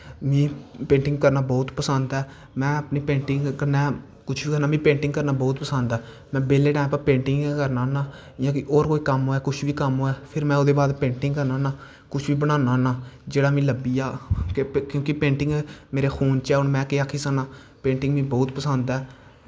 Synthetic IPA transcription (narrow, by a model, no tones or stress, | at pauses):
mĩːpẽːɳʈɪ̃ŋɡ̚kəɾnaːbɔːt̪pəsənd̪ɛː | mɛ̃ːəpniːpẽːɳʈɪŋkəɾnɛː | kʊt͡ʃʰʋiːkəɾnaːmĩːpẽːɳʈɪ̃ŋɡkəɾnaːbɔːt̪pəsənd̪ɛː | mɛ̃ːbeːleːʈɛ̃ːpãːpẽːɳʈɪŋɡkəɾnaːnaː | jãːkɪʔoːɾkoːiːkəmɦoːɛːkʊt͡ʃʰʋiːkəmɦoːɛːpʰɪɾmɛ̃ːʊd̪eːbaːd̪pẽːɳʈɪ̃ŋɡkəɾnaːnaː | kʊt͡ʃʰʋiːbəɽ̃ãːnaːnaːd͡ʒeːɽaːmĩːləbːiːaːkkjõːkɪpẽːɳʈɪ̃ŋɡːmeːɾeːxʰuːnt͡ʃɛːʊnmɛ̃ːkeaːkʰːiːsaːnaː | pẽːɳʈɪ̃ŋɡmĩːbɔːt̪pəsənd̪ɛː